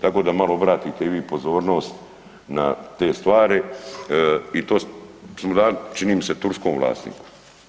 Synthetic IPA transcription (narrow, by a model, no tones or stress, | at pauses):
t̪ako̞ːd̪amaloobɾaːt̪iːt̪eʋiːpo̞zo̞ːɾno̞ːst̪ | na̰t̪e̞ːst̪ʋaːɾi | it̪oːsmod̪aːlt͡ʃiniːmiset̪uɾskoːmʋla̰ːsnḭːku̥